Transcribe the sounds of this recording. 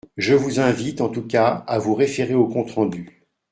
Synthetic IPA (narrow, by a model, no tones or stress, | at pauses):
ʒəvuzɛ̃vit̪ɑ̃t̪ukʲaavuʁefeʁeokɔ̃t̪χɑ̃d̪y